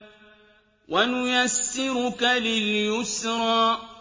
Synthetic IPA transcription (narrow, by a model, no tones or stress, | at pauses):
wʔanʊjasːɪɾʊkalɪljʊsɾɑː